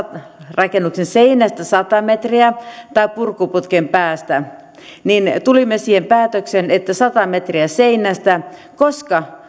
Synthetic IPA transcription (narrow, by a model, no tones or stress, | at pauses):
rɑkenːuksenseinæst̪æsɑt̪ɑmet̪riæt̪ɑippurkːuput̪kempæːst̪æ | nint̪ulimːesiːhempæːt̪øksenet̪ːæsɑt̪ɑmet̪riæseinˑæst̪ækoskɑ